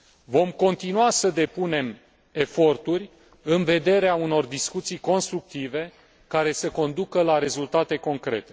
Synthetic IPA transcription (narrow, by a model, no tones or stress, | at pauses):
vo̞mko̞nt̪inuasəd̪e̞pune̞m | e̞fo̞rt̪urʲ | ɨnve̞d̪e̞ɾeauno̞rd̪iskut̪sijko̞nst̪ɾuk̚t̪ive̞ | kaɾe̞səko̞nd̪ukəlaɾe̞zult̪at̪e̞ko̞ŋkɾe̞t̪e̞